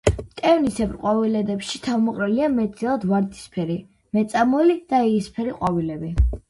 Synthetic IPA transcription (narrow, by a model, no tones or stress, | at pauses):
t̪ʼɛvnisɛpʼɾqʼwavilɛd̪ɛpʃit̪ʰavmɔqʼɾɛliamɛt̪ilˠad̪vaɾd̪i̥spʰɛɾi | mɛt̪sʼamɔlid̪̥aɛispʰɛɾiqʼwavilɛbi